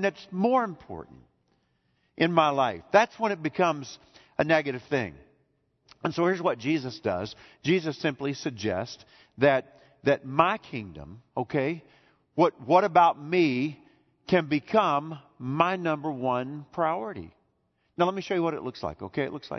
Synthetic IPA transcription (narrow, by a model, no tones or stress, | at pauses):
nðɨtsmɔɹɨ̃mpʰɔ̰ɹʔn̩t̚ | ʔɨ̃nmaɪlaɪfðætswə̃ñɨt̚b̥ɨkʰʌ̃mz | ʔɨnɛɡɨɾɨv̥θɪ̰̃ŋ | ɨ̃nsoʊhɪɹzwʌt̚d̥ʒ̥izɨsd̥ʌ̰z̥d͡ʒizɨsɪ̃mplisɨɡ̚d͡ʒɛ̰st | ðɨt̪̚ | ðɨt̚maɪkʰɪ̃ŋdɨ̰̃moʊkʰeɪ | wʌt̚wʌɾɨbaʊt̚mi | kʰɨ̃nbɨkʰʌ̃mː | aɪnʌ̃mbə˞wʌ̃npʰɹ̥aɪɔɹɨɾḭ | naʊlɛt̚miʃoʊjɨwʌɾɨtˡlʊksla̰ɪkoʊkʰeɪɨʔˡlʊksla̰ɪ